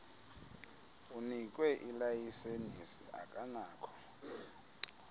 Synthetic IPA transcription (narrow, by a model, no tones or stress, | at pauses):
unik̬ʼwɛʔilajisenisḭʔa̰kʼanaːkʰɔ̥